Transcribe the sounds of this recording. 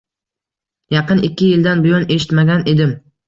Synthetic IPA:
jɑqɨnɪkʲʰːɪjɪld̪anbʊjɒne̞ʃɪ̥t̪maɡʲane̞d̪ɪm

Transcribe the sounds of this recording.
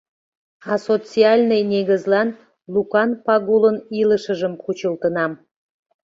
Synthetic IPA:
ɑsot͡siɑlʲnəjnʲeɣəzlɑn | lukɑnpɑɣuləniləʃəʒəmkut͡ɕəlt̪ənɑm

